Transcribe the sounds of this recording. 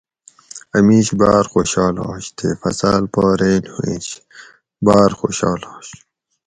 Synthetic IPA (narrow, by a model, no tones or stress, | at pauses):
ɐmiːɕbaːɾxoɕɑːlɑːɕt̪ʰḛːfɐ̰salpoːɾeːnhuĩɕ | baːɾxoːɕɑːlɑːɕ